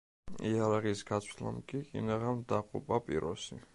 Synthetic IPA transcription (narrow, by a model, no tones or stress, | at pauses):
ijaɾaʁisɡasʰla̰mkʼiḭnaʁamd̪aqʼṵpʼapʼḭɾɔsḭ